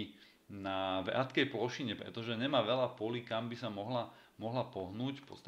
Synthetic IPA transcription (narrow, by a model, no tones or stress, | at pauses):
naʋɛ̰at̪kɛjplɔʃiɲɛpɾɛ̰t̪ɔʒɛɲɛmaːʋɛlapɔlikambisamɔɦla | mɔɦlapɔɦnuːcfpɔ̰t̪st̪